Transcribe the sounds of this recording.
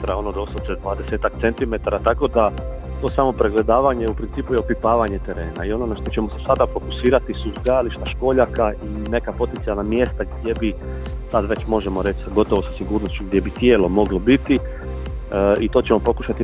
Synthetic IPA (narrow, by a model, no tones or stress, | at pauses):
ɾao̞nod̪osot̪sed̪ʋaːd̪ese̞ːt̪ak̚t̪se̞nt̪ime̞t̪aɾat̪ako̞d̪a | t̪o̞ːsamo̞pɾeɡle̞d̪aːʋaɲe̞upɾiniːpujeopipaːʋaɲe̞t̪e̞ɾe̞ːna̰io̞no̞naʃt̪o̞t͡ɕe̞mosesad̪afo̞ku̥siːɾat̪isuizɡ̪ajaliʃt̪aʃko̞ːʎakaine̞kapo̞t̪ent̪ijalˠnamje̞st̪aɡd̪je̞bi | sad̪ʋe̞t͡ɕmo̞ʒemo̞ɾe̞t͡ʃsaɡo̞t̪oʋo̞sasiɡuːɾnost͡ɕuɡd̪je̞bit̪je̞ːlo̞mo̞ɡlobit̪i | it̪o̞ːt͡ɕemo̞po̞kuʃat̪i